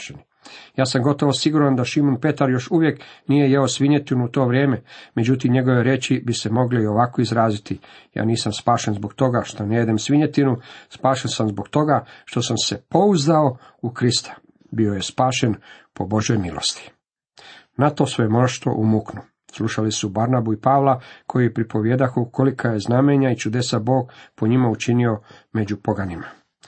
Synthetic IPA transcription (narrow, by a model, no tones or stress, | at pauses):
ʃeni | jaːsamɡo̞t̪o̞ʋosiɡuɾand̪aʃimonpe̞t̪aɾjo̞ʃuʋjeknije̞jeosʋiɲet̪inuut̪oːʋɾjeːmeme̞d͡ʑut̪imɲe̞ɡo̞ʋoɾet͡ɕibise̞mo̞ɡleioʋako̞izɾaːzit̪ija̰ːniːsamspaːʃenzbo̞kt̪o̞ɡaʃt̪o̞nejed̪emsʋiɲet̪inuspaːʃensamzboɡt̪o̞ɡaʃt̪o̞samse̞po̞uzd̪ao̞ | ukɾist̪ʰḁ | bio̞je̞spaːʃe̞npo̞bo̞ʒjo̞jmilˠo̰st̪i̥ | nat̪o̞sejemoʃt̪o̞̰ʔumuknu | slˠuʃalisubaɾnabuipaʋlˠakʰo̞jiepɾipo̞ʋjeːd̪axukʰo̞likʰaje̞znameɲait͡ʃud̪e̞sabo̞ːɡ̚poɲimaut͡ʃinio̞me̞d͡ʑupo̞ɡanima